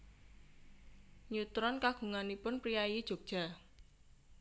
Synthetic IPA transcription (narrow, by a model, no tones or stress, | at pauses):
ɲut̪ɾɔnkaɡ̥ṳŋanipʊnpɾijajid̥ʒ̥o̤k̚ʒ̥a̤